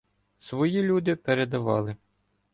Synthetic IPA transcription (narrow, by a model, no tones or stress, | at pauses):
sʋɔjilʲud̪ɪpeɾed̪ɐʋɑ̰lˠɪ